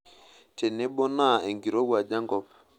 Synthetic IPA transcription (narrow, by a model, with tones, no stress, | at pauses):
tɛ˨nɛ˦ɓɔ˦na˦˨e˨ŋɡi˨ɾɔ˦wa˨d͡ʒa˦ŋɡɔ˦p